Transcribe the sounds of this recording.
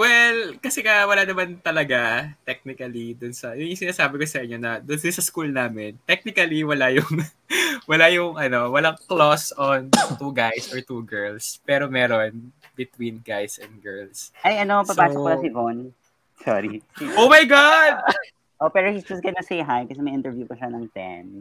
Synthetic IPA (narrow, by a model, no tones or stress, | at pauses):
wɛlkɐsɛkɐwɐlanɐmant̪ɐlɐɡat̪ɛk̚nɪkɐlid̪ʊnsɐjʊŋjʊŋsɪnaːsaːbɪkosɐʔɪɲːo̞nɐd̪ʊnsɪnsɐskuːlnaːmɛnt̪ɛk̚nɪkɐliwɐlajʊŋ | wɐlajʊŋʔɐno̞wɐlaŋklosɔnt̪uɡajsɔɹt̪uɡɛɹlspɛːɾo̞mɛːɾon | bɪt̪winɡajsʔɛ̃nd̪̚ɡɛɹlsʔɐjʔɐnoɐpɐpaːsɔkmɐnɐsivon | sɔ̰ɾiʔowmɐjɡad̪̚ | ʔopɛːɾohisd͡ʒɐsɡɐnɐsejɦajkɐsɛmɐjʔɪ̃nt̪ɛɹvjupɐʃɐnɐŋt̪ɛ̰m